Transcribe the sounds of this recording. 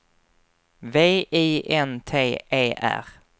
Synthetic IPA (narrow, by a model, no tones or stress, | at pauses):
veːʔiːʔɛnt̪ʰeːeːʔæ̰ɾ